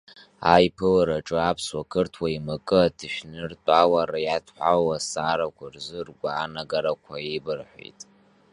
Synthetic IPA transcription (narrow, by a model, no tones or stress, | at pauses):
a̰jpʰɨlɨɾaʈ͡ʂʼɨapʰswakʰɨrtʰwaimakʼɨatʰɨʃᶣnɨrtʷʼawaɾajatʰħʷawasaːɾakʷʰarzɨrɡʷaːnaɡaɾakʷʰaibɨrħʷḛjtʼ